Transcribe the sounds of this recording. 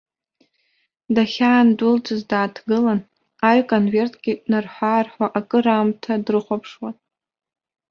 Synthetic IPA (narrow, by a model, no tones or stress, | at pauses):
daχʲaːndʊlt͡sʼɨzdaːtʰɡɨlan | aɥkʼonve̞rtʰʼɡ̥ʲɪnarħʷaːrħʷaʔakʼɨɾamtʰadrɨχʷapʰʂwan